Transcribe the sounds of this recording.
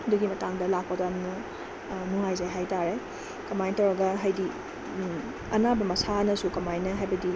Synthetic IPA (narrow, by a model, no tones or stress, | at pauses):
ɐduɡimɐtaŋdɐlak̚pɐtaɐmnɐ | nuŋajzajɦajtaɾe | kɐmajntɐwɾɐɡɐɦɐjdi | ɐnabɐmɐsanɐsukɐmajnɐɦajbɐdi